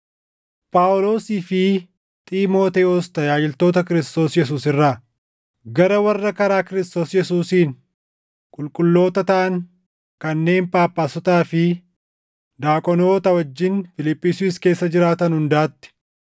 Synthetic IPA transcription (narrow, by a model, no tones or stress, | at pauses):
pʼaːʊlo̞ːsiːfɪ | t̪ʼiːmo̞ːt̪ɛɔst̪ɐjaːd͡ʒɪlt̪o̞ːt̪ɐkɪɾɪst̪o̞ːsjɛs̬uːsɪrːaː | ɡɐɾɐwɐrːɐkɐɾaːkɪɾɪst̪o̞ːsjɛsuːsiːn | kʼʊlkʼʊlːo̞ːt̪ɐt̪ɐʔɐŋ | kɐnːe̞ːmpʼaːpːaːsɔt̪aːfɪ | d̪aːkʼɔno̞ːt̪ɐwɐd͡ʒːɪnfɪlɪpʼːiːsuɪske̞ːsːɐd͡ʒɪɾaːt̪ɐnhʊnd̪aːt̪ːɪ̥